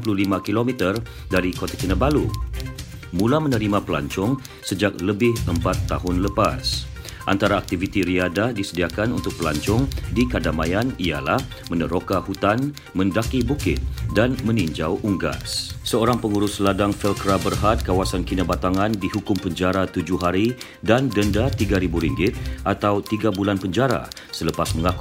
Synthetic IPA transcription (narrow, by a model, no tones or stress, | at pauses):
pululimãkilomit̪ər | daɾikot̪akinabalu | mũlamə̃nəɾimãpəla̰ɲt͡ʃɔŋ | səd͡ʒak̚ləbɪhəmpat̪ːaɦʊnləpas | ʔa̰nt̪aɾaːk̚t̪ivit̪iɾiadahdisədiakanṵnt̪ʊk̚pəla̰ɲt͡ʃɔŋdikadamajania̰lah | mənəɾokahut̪an | mə̃ndakibukɪt̪̚danmə̃nĩɲd͡ʒawʔuŋɡa̰ssəoɾaŋpəŋuɾʊsladaŋfɛlkəɾabərhat̪̚kawasankinabat̪aŋãndiɦukʊmpəɲd͡ʒaɾat̪ud͡ʒʊɦaɾi | dandəndat̪iɡaɾibuɾiŋɡɪt̪̚ʔat̪awt̪iɡabulanpəɲd͡ʒaɾa̰ | sələpasməŋaku